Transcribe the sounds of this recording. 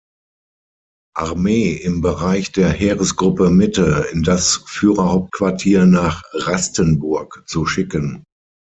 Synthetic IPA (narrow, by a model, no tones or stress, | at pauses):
ʔaʁmeːɪmbəʁaɪçd̥eːɐheːʁəsɡ̥ʁʊpəmɪtəɪndasfyːʁɐhaʊp̚t̚kv̥aɐtʰiːɐnaːχʁastənbʊɐkt͡suʃɪkən